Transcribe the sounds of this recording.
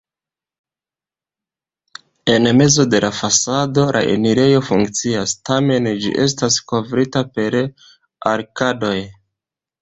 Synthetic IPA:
e̞nme̞zo̞de̞lafasado̞lʔa̰ʔe̞̰niɾe̞jo̞fuŋkt͡siastame̞nd͡ʒḭʔe̞s̬tasko̞vɾitape̞ɾ | aɾkado̞j

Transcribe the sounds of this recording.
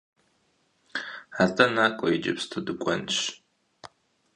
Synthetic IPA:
atʼɐnaːkʷʼɔid͡ʒɪ̰pstʰɨdɨkʷʼɔnʃ

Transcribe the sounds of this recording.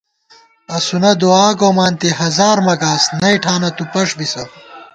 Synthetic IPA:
ɐsunɐd̪uaːɡoːmaːnt̪iɦɐzaːɾmɐɡaːsnɐjʈʰaːnɐt̪upɐʂbisɐ

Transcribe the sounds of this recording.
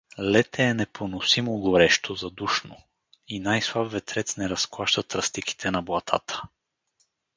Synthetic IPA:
lɛt̪ɛːnɛpʰonosimoɡoɾɛʃt̪ozɐd̪uʃno | inajslˠabvɛt̪ɾɛt̪snɛɾɐsklˠaʃt̪ət̪ɾɐst̪iki̥t̪ʰɛnɐblˠɐt̪ʰa̰t̪ə̥

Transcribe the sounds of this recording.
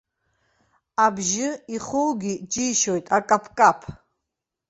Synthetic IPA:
abʒɨiχulɡid͡ʒiːʃɔjt̪ʼakʼapʰkʼapʰ

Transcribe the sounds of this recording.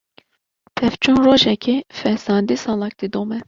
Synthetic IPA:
pʰɛft͡ʃʰunroːʒɛkʰifɛsɑːnd̪isɑːlɑk̚d̪id̪oːmɛ

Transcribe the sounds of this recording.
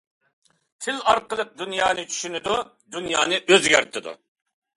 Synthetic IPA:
t̪ʰɪlɑɾqəlˠəq̚d̪ynjɑːnɨt͡ʃʰy̥ʃynɪd̪u | d̪ynjɑ̰ːnɨʔøzɡʲæɾt̪ʰɪd̪ṵ

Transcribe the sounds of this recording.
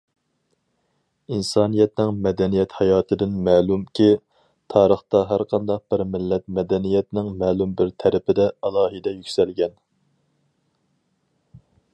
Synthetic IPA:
insɑːnijɛt̪nɪŋmɛd̪ɛnijɛt̪hɑjɑːt̪ʰɨd̪ɪnmæːlˠumkʲʰi | t̪ʰɑːɾəχt̪ɑɦæɾqʰɑnd̪ɑq̚b̥ɪɾmɪlːɛt̪̚mɛd̪ɛnijɛt̪nɪŋmæːlˠumbɪɾt̪ʰɛɾɪpʰɪd̪ɛɑlˠɑːɦɨd̪ɛjykʲsɛlɡʲɛn

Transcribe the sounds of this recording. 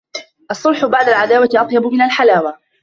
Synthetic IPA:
ʔɑsˤːʊlħʊbaʕd̪alʕad̪aːwat̪ɪʔɑt̪ˤjɑbʊmɪnalħalaːwa

